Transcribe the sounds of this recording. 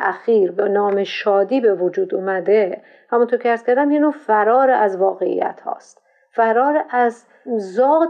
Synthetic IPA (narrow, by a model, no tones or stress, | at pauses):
ʔæxiːɾbenɒːmeʃɒːd̪iːbe̞vod͡ʒuːd̪umæd̪e | hæmunt̪ʰoɾcʰʲeæɾz̥kʰʲæɾd̪æmjinoːfæɾɒːɾeʔæzvɒːɣe̞ḭjæ̰t̪ʰhɒ̰ːst̪̚ | fæɾɒːɾeʔæz | zɒː